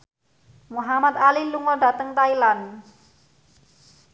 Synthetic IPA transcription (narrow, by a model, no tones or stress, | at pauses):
muɦamat̪aliluŋɔɖa̤t̪əŋt̪ailan